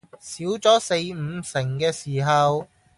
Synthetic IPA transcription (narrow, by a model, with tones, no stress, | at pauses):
siː˨˥wt͡sɔː˨˥se˧jm̩ː˨˧sɪ˨˩ŋkɛː˧siː˨˩ɦɐ˨w